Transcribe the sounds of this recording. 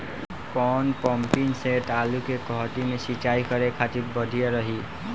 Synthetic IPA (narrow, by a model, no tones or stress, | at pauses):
kɔnpɔmpinseʈalukekɔʈimesit͡ʃajkɔɾekʰat̪ibbɔd̪ʱijaɾɔɦi